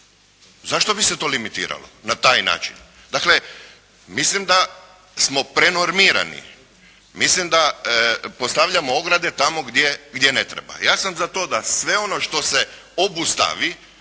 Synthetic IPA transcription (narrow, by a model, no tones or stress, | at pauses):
zaʃt̪o̞biset̪o̞ːlimit̪ḭːɾa̰lo̰nat̪aːjna̰ːt͡ʃḭn | d̪akle̞ | mislimd̪a | smo̞pɾe̞no̞ɾmiːɾa̰nḭ | mislimd̪a | po̞st̪aʋʎamooɡɾad̪e̞t̪amo̞ɡd̪jeɡd̪je̞ne̞t̪ɾḛba̰jaːsamzat̪o̞d̪asʋe̞o̞no̞ʃt̪o̞se̞ | obust̪a̰ʋi